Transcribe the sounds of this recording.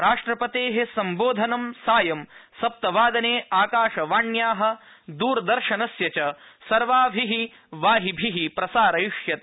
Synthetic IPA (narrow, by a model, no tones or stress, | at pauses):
ɾaːʂʈɾɐpɐt̪eːɦesɐmboːd̪ʱɐnɐmsaːjɐmsɐp̚t̪ɐʋaːd̪ɐneːaːkaːʃɐʋaːɳjaːɦɐ̆ | d̪uːɾd̪ɐɾʃɐnɐsjɐt͡ʃɐsɐɾʋaːbʱiɦi | ʋaːɦibʱiɦipɾɐsaːɾɐjuʂjɐt̪̚